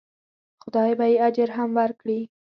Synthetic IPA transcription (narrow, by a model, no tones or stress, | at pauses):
xʊd̪ɑjbajead͡ʒəɾɦamwaɾkɽi